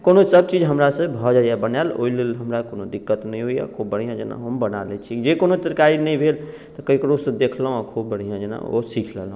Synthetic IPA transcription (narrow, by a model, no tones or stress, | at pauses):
konosəbt͡ʃid͡ʒɦəmɾasə̃bʱɔd͡ʒajabənalo̰ilelɦəmɾakonod̪ikːət̪nəjɦoja̰kʰobəɽ̤ijãd͡ʒena̰ɦəmbənalɛt͡ʃʰid͡ʒekonot̪ɾkaɾinəjbʱel | t̪ɔkəikɾosə̃d̪ekʰlɦõəkʰobəɽ̤ijãd͡ʒena̰o̰sikʰlɛlɦõ